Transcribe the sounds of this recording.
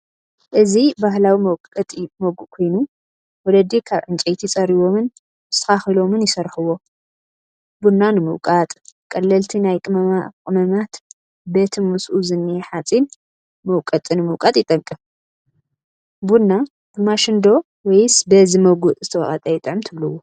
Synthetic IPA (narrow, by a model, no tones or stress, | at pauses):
ʔɨzibahlawimɐwkʼːɐt̪ʼmɐɡuʔkʰo̞jnu | wɔlɐd̪ikʰaβʕɨnt͡ʃʼejt̪ʰit͡sʼɐɾiβo̞mɨn̥ | t̪ʰɐ̥xaxɨlo̞mɨnjɪsɐɾħɨwo̞ | bunːanɨmɨwkʼat̪ʼkʼɐlːɐlt̪ʰinajkʼɨmɐmakʼɨmɐmat̪ | bet̪ʰɨnmusʔuzɨnːieħat͡sʼin | mɐwkʼɐt̪ʼɨnɨmɨwkʼat̪ʼjɪt̪ʼɐŋkʼːɨf | bunːa | bɨmaʃɨnd̪o̞ | wɔjsbɐzimɐɡuʔzɨt̪ʰɐwɐ̰χʼɐt̪ʼɐjɪt̪ʼɨʕɨmt̪ʰɨβlɨwo